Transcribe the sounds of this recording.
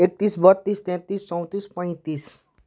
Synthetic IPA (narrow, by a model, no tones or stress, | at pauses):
ek̚t̪isbət̪ːist̪ɛ̃t̪ist͡ʃɔ̃w̃t̪ispə̃j̃t̪is